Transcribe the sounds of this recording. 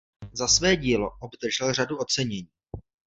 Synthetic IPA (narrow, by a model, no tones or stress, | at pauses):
zasvɛːɟiːloʔobd̪r̩ʒɛlr̝aduo̞t͡sɛɲɛɲiː